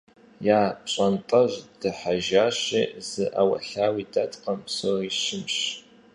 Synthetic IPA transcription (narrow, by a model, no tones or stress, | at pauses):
jaːpɕʼɐntʼɐʑd̥ɨħaʒaːɕḭːz̥ɨʔa̰wɐ̰ɬaːwiːdɐtʼqɐmsɨriːʃɪmɕ